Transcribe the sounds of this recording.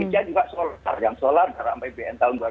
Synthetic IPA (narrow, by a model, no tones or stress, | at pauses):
it͡ʃiad͡ʒuɡasola̰rjaŋsolardaɾampajbeʔɛnt̪aʊnɡua